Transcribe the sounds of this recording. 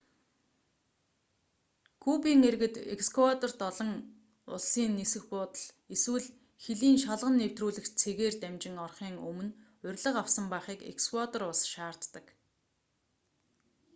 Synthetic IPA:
kʰupiːŋerɣɘ̆t̪ḛkskʰwat̪ɔrt̪ɔɮɞ̆ŋ | ʊ̰ɮsiːnːesɘ̆xpʊːt̪ə̆ɮ | eswɘ̆ɮ | xeɮiːnʃaɮʁə̆nːew̥t̪ruːɮɘ̆xt͡sʰeɣeːrt̪æmt͡ɕɪ̆ŋɔrχiːŋɵmɵ̆n | ʊrʲɮə̆qawsə̆mpæːχiːkḛkskwat̪ɔrʊɮsʃaːr̥t̪ːə̆k

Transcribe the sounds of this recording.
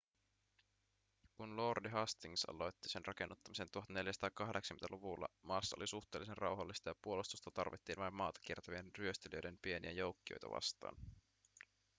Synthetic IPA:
kunlordiɦɑst̪iŋsɑ̰lo̞jt̪ːisenrʔɑke̞nːut̪ːɑmise̞nt̪uohɑt̪ne̞ljæsɑ̥t̪ɑkɑɦdeksɑ̥kmːent̪æ̰luʋulːɑ̰mɑːsːɑolisuxt̪e̞ːlːˑisenrʔɑwɦɑlːist̪ɑjɑpuolust̪ust̪ɑt̪ɑrʋit̪ːiːnʋɑjmːɑːt̪ɑ̥k̟iert̪ɑʋienryøst̪eliøjde̞mpie̞niæjo̞wkːio̰jt̪ɑ̰ʋɑ̰st̪ɑ̰ːn

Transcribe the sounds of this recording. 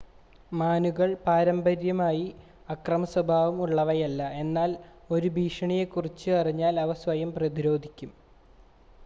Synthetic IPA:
maːnuɣɐɭpaːɾɐmbɐɾjɐmaːji | ɐkrɐmɐswɐbʱaːʋumuɭːɐʋɐjɐlːɐe̞nːaːl | o̞ɾubʱiːʂɐɳije̞kːurit͡ɕːɨɐriɲːaːlɐʋɐsʋɐjɐmprɐðiɾo̞ːd̪ʱikʲːum

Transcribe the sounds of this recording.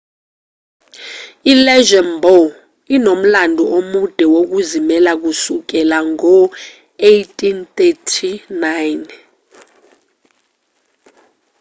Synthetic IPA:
ilɛʒɔmbʱɔ | inom̩landʱɔʔomud̥ʱɛwok̬uzimɛlak̬usuk̬ɛlaŋɔ | ejtʰʼintetʰinajn

